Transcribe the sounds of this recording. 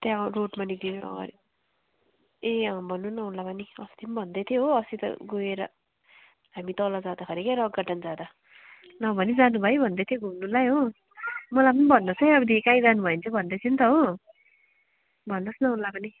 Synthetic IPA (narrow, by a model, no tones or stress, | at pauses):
t̪jãroʈmanid̪inuʌ̰ɡʌ̰ɾi | eʌbʱʌnːunʌɦunlapʌniʌst̪ʰimbʱʌnd̪ʌt̪ʰjoɦoʌsit̪ʌ̰ɡoeɾʌ | ɦamit̪ʌlʌd͡zad̪akʰʌɾikeɾʌɡaʈand͡zad̪ʌ | nʌbʱʌnid͡zanubʱʌjbʱʌnd̪ʌt̪ʰjoɡʱumnulajɦo | mʌlajpʌnibʱʌnːʌsʰʌjʌbʌd̪ikãĩd͡zanubʱʌent͡sʰʌbʱʌnd̪ʌt͡sʰʌnt̪ʌɦo | bʱʌnːʌsnʌɦunlapʌni